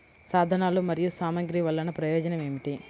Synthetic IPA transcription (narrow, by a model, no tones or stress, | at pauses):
saːd̪ʱɐnaːlumɐɾijusaːmɐɡɾiʋɐlːɐnɐpɾɐjɔːd͡ʒɐnɐme̞ːmiʈi